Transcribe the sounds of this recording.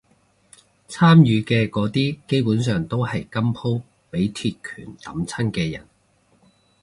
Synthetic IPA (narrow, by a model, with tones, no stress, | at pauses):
t͡sʰaː˥mjyː˨˧kɛː˧kɔː˨˧˥t̪iː˥ke˥jpuː˨˥nsœː˨ŋt̪o˥whɐ˨jkɐ˥mpʰo˥w | pe˨˥jt̪ʰiː˧t̚kʰy̰ː˨˩nt̪ɐ̰˨˥mt͡sʰɐ˥nkɛː˧jɐ̰˨˩n